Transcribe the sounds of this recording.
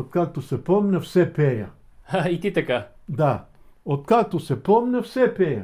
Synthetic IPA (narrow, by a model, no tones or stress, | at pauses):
ot̪̚kak̚t̪osɛpomnʲɛfsɛpɛja̰ | ait̪it̪akad̪a | ot̪̚kak̚t̪osɛpomnʲɛfsɛpɛjɐ̰